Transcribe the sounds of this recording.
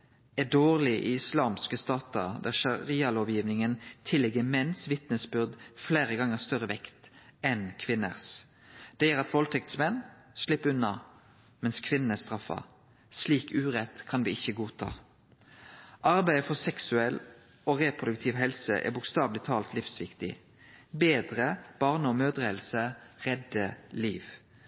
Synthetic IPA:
ɛd̪oːʁlɪʔḭːɪslɑːmskəst̪ɑːt̪əʁd̪æʁʃɑʁiːɑloːʋjiːʋnɪŋənt̪ʰɪlːɪɡəmɛnsʋɪt̪nəsbʏʁd̪fleːʁəɡɑŋːəst̪œʁəʋɛkt̪ɛnkʰʋɪnə̰ʁs | d̪̥ɛjæːʁɑt̪ʋɔlt̪ʰɛkt̪smɛnslɪpːʉnːɑ | mɛnskʰʋɪnən̩æst̪ʁɑfɑ̰ | sliːkʉːʁɛt̪kʰɑnʋiɪçːəɡuːt̪ʰɑ̰ː | ʔɑʁbæɪəfɔʁsɛksʉɛl | oːʁeːpʰʁʊd̪ʉk̚t̪ʰɪʋɦɛlsə̰ʔɛ̰ːbʊkst̪ɑːʋlɪt̪ʰɑːlt̪lɪfsʋɪkt̪ɪ̰ | beːd̪ʁəb̥ɑʁnəɔmøːd̪ʁeːlsəʁɛd̪əliːʋ

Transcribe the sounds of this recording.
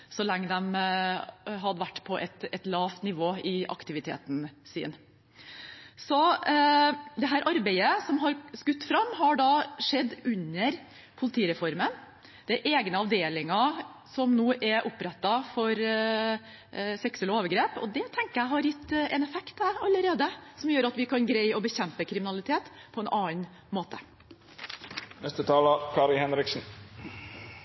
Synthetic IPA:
sɔlɛŋːəd̪ɛm | ɦɑd̪əʋæʈːpʰɔʔɛt̪ɛt̪lɑːʋt̪nɪʋoːɪʔɑ̰kt̪ɪʋɪt̪ʰḛːt̪n̩sḭːn | sɔ | d̪ɛɦæːɾʔɑɾbæɪəsɔmɦɑɾskʉt̪ːfɾɑmːɦɑɖɑʂɛd̪ːʉnːəɾ | pʰʊlɪt̪ʰiːɾɛfɔɾmən | d̪̥ɛʔeːɡnəɑʋd̪eːlɪŋɑsɔmnuːʔɛʔʊpːɾɛt̪ːɑfɔɾ | sɛksəlɔoːʋəɾɡɾeːpɔ̰d̪ɛt̪ʰɛŋkəjæɪɦɑɾjɪt̪ːɛnɛfɛkt̪æɾɑlːəɾeːd̪əsɔmjøːɾɑt̪ʋɪkʰɑnɡɾæɪɔbəçɛmpəkʰɾɪmɪnɑlɪt̪ʰeːt̪pʰɔɛːnʔɑːn | moːt̪ə̥ | nɛst̪ət̪ʰɑːlɑkʰɑːɾɪhɛnɾɪksn̩

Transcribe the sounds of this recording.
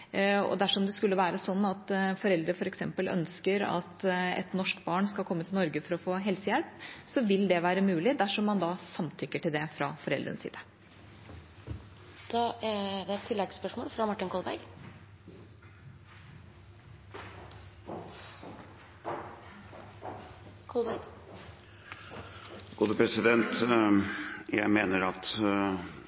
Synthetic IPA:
ɔ̰d̪æʂɔmd̪ɛskʉlːəʋæːɾəsɔnːɑt̪fɔɾɛld̪ɾəfɔɾɛksɛmpəlœ̰nskəɾɑ̰t̪ɛ̰t̪nɔʂkbɑːɳskɑlkʰɔmːət̪ʰɪlnɔɾɡəfɔɾɔfoːɦɛlsəjɛlpsɔʋɪld̪ɛʋæːɾəmʉːlɪd̪æʂɔmːɑnd̪ɑsɑmt̪ʰʏkːəʈɪld̪ɛfɾɑ̰fɔɾɛ̰ld̪ɾə̰nəsḭːd̪ə | d̪̥ɑːʔæɖɛt̪ʰːɪlːɛɡspœʂmoːlfɾɑmɑʈːɪnkʰɔlbæ̰ɡ | kʰɔlbæɡ | ɡ̥uːd̪əpɾɛsɪd̪ɛnt̪ | jæɪmeːnəɾɑt̪

